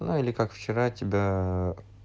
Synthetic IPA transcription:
nuilʲɪkakft͡ɕɪɾatʲɪbʲa

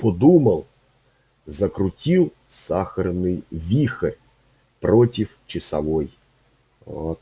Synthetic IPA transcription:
pɔd̪umɐlˠ | zɐkɾʊtʲilˠ | saxɐrnɨjvʲixɐrʲ | prɔtʲift͡ʃɪsɐʋɔj | ɔt̪

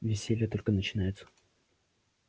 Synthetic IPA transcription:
vʲɪsʲelʲɪjət̪o̞lʲkənət͡ɕɪnajɪt̪sə̥

